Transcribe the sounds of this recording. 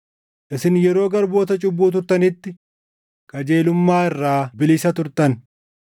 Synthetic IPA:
ʔɪsɪnjɛɾo̞ːɡɐɾbo̞ːt̪ɐt͡ʃʼʊbːuːt̪̬ʊɾt̪ɐnɪt̪ːɪ | kʼɐd͡ʒe̞ːlʊmːaːɪrːaːbɪlɪsɐt̪ʊɾt̪ɐn

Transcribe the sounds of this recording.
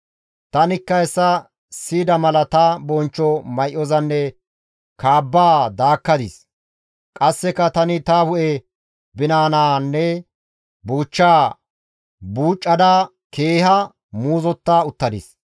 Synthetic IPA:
t̪ɐnɪkːɐɛsːɐ | siːd̪ɐmɐlɐt̪ɐbɔnt͡ʃːɔmɐjʔɔzɐnːɛ | kaːbːaːd̪aːkːɐd̪ɪs | kʼɐsːɛkːɐt̪ɐnɪt̪ɐhʊʔɛ | bɪnaːnaːnːɛ | buːt͡ʃːaː | buːt͡ʃʼːɐd̪a | keːhɐ | muːzɔt̪ːaːʊt̪ːɐd̪ɪ̰s

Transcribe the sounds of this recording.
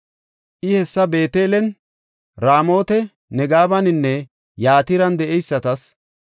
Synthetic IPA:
ʔɪhɛsːɐbe̞ːt̪eːlɛn | ɾaːmo̞ːt̪ɛ | nɛɡaːbɐnɪnːɛ | jaːt̪ɪɾɐnd̪ɛʔɛjsːɐt̪ɐs

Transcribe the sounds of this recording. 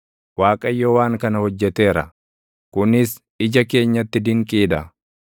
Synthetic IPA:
waːkʼɐjːoːwaːŋkɐnɐhɔd͡ʒːɛt̪e̞ːɾɐ̰ | kʊnɪs | ɪd͡ʒɐke̞ːɲːɐt̪ːɪd̪ɪŋkʼiːd̪ɐ

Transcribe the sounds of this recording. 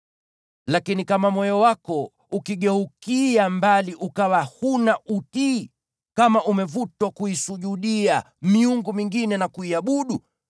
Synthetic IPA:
lakinikamamɔjɔwakɔ | ukiɠɛhukiambaliʔukawahunaʔuti | kamaʔumɛvutwakuisuʄuɗia | miuŋɡumiŋɡinɛnakuiaɓuɗu

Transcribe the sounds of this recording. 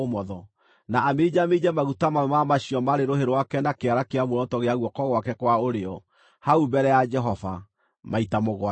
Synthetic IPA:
omɔðɔ | naːmed͡ʒamed͡ʒɛmaɣutamawmamaɕiɔmaɾeɾoheɾwakɛnakeaɾakeamwɔɾɔtɔɣeaɣwɔkɔɣwakɛkwaoɾeɔ | haubɛɾɛjad͡ʒɛɦɔva | maitamoɣwa

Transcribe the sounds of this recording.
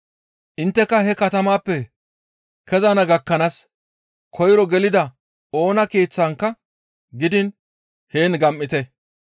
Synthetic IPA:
ʔɪnt̪ːɛkːɐɦɛkɐt̪ɐmaːpːɛ | kɛzanɐɡɐkːɐnas | kʰɔjɾɔɡɛlɪd̪ɐ | o̞ːnɐkeːt͡sːaːŋkːɐ | ɡɪd̪ɪn | heːnɡɐmːɪt̪ɛ

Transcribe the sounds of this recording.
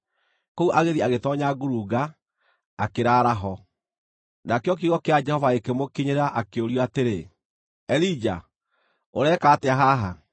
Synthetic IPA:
kɔuʔaɣeðiaɣetɔɲaɡuɾuɣaː | keɾaːɾaɦɔ | nakeɔk̬iɣɔkead͡ʒɛhɔvaekemokiɲeɾaʔakeoɾjɔateɾe | ɛlid͡ʒa̰ | oɾɛːkaːteaɦaɦa

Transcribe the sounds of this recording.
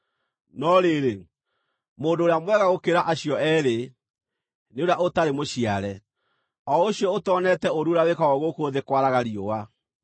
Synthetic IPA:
nɔɾeɾe | moːndoːɾeamwɛɣaɣokeɾaʔaɕiɔɛɾe | neoɾeaʔotaɾemoɕiaɾɛ | ɔoɕjɔotɔːnɛtɛoɾuɾawekaɣɔɣokoðekwaɾaɣaɾiowa

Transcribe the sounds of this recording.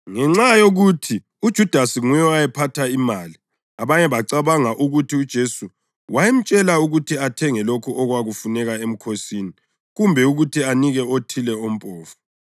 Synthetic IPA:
ŋɛŋ͡ǁajoɣutʰi | ud̥ʒ̥ʱud̥ʱasiŋujɔajɛpʰatʰaimaːli | aβaɲɛβaǀaβaŋaʔuɣutʰiud̥ʒ̥ʱesu | wajem̩t͡ʃʼɛlauɣutʰiatʰɛŋɛlokʰuʔɔɣwaɣufunɛɣaem̩kʰosiːni | ɣumbʱɛuɣutʰianiɣɛotʰilɛom̩pʼɔːfɔ̥

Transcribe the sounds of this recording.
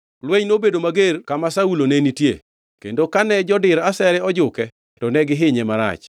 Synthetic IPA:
lweɲnobedomaɡerkamasaulonenitjḛ | kḛndokanɛd͡ʒɔdɪɾasɛɾɛɔd͡ʒʊkɛ | tɔnɛɡɪɦɪɲɛmaɾa̰t͡ʃ

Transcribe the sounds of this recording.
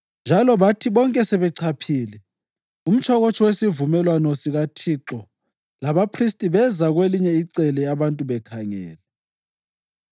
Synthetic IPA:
nd͡ʒʱalɔβatʰiβɔŋkʼɛsɛβɛǀʰapʰiːlɛ | um̩t͡ʃʰɔɣɔt͡ʃʰʼɔwesivumɛlwanɔsiɣatʰiǁɔ | laβapʰristʼiβɛzaɣweliɲɛiǀɛlɛaβantʼuβɛkʰaŋɛ̰ːlɛ

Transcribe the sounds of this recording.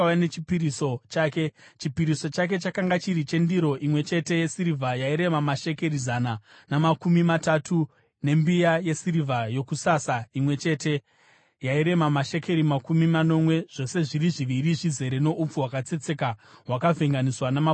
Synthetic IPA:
anet͡ʃipiɾisot͡ʃaːke̞t͡ʃipiɾiso̞t͡ʃak̬e̞t͡ʃakaŋɡat͡ʃiɾit͡ʃe̞ndiɾo̞ʔimwe̞t͡ʃe̞te̞je̞siɾivʱajaiɾe̞mamaʃe̞keɾizana | namakumimatatʰu | ne̞mbijaje̞siɾivʱajo̞kusasaimwe̞t͡ʃe̞te̞ | jaiɾe̞mamaʃe̞kʰe̞ɾimakumimano̞mwe̞ʐ̥o̞se̞ʐiɾiʐiʋiɾiʐize̞ɾeno̞ʔup͡fuwakat͡se̞t͡se̞kaɦwakavʱe̞ŋɡaniswanama

